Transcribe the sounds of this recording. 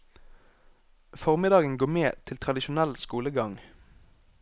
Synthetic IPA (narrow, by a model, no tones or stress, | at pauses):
fɔʁmɪd̪ɑːɡənɡoːmeːt̪ʰɪlt̪ʰʁɑd̪ɪʃʊnɛlskuːləɡɑŋ